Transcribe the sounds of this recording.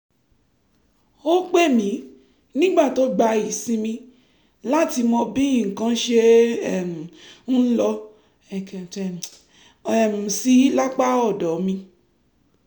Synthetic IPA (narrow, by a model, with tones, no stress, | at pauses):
o˦k͡pe˦˨mĩ˨˦ | nĩ˦ɡ͡ba˦˨to˦ɡ͡ba˧i˨sĩ˧mĩ˧ | la˦ti˧mɔ̃˧bĩ˦ĩ˨kã˧˦ʃe˧˦ɛ˦˨m̩˨n̩˦lɔ˧ | ɛ˨kɛ˨tɛ˨ | ɛ˨m̩˨si˨˦la˦k͡pa˦ɔ˦˨dɔ˨˦mĩ˧